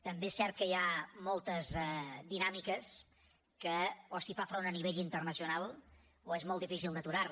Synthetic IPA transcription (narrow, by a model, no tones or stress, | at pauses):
t̪əmbesɛɾt̪̚kəiamɔlˠt̪əzɛd̪inamikəs | kəosifafɾonəniβ̞eʎint̪ərnəsiunalˠ | oezmɔlˠifis̬ilˠd̪ət̪uɾar